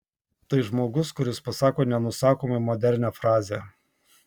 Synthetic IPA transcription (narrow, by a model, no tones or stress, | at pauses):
t̪ɐɪʒmoːɡʊskʊɾʲɪspɐsɑːkoːnʲɛnʊsɑːkoːmɐɪmoːd̪ʲɛɾʲnʲæːfɾɑːzʲeː